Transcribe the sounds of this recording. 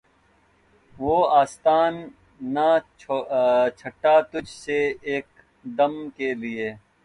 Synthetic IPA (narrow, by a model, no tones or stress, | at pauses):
ʋoːaːst̪aːnː | a | t͡ʃʰɐʈːat̪ʊd͡ʒʱseeːk̚ | d̪ɐmkelieː